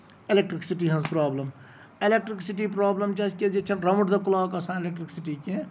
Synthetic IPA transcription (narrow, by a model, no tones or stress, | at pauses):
elekʈɾiksiʈiɦɐnzpɾaːblɐm | elek̚ʈɾiksiʈip̬ɾaːblɐmt͡ʃɐːsked͡ʒet͡ʃʰɐnɾɐmuʈd̪ɐkulaːkɐsãːelek̚ʈɾiksiʈike